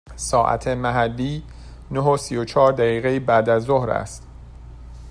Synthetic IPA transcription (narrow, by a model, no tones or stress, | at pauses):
sɒːʔæ̰t̪ʰemæɦælːiː | noɦosijot͡ʃʰɒːɾd̪æɣiːɣejibæd̪æzːohɾæ̰st̪